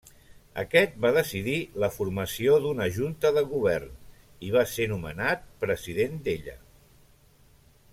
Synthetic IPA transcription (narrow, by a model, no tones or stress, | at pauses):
ə̰kɛt̪̚baðəsiðiləfurməsioðunəʒunt̪əðəlˠɣuβ̞ɛrn | iβ̞asenumə̰nat̪̚pɾəziðend̪eʎə̰